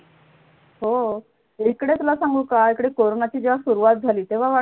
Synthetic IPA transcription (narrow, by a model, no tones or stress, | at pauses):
ɦo | ekɽet̪ulasaŋɡuːkaekɽekoɾonat͡ɕiːd͡ʑeʋ̤asuɾuʋat̪̚d͡zʱaliːt̪eʋ̤aʋa